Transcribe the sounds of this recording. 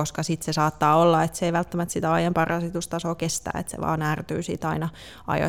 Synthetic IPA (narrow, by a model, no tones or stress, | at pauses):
oskɑsit̪sesɑːt̪ːɑːolːɑet̪seeiʋælt̪ːæmæt̪sit̪æɑjɑmpɑrɑsit̪ust̪ɑsoːkest̪æ̰ːḛt̪sḛʋɑ̰ːnæːrt̪y̰ːsḭt̪ɑinɑ | ʔɑ̰jo̰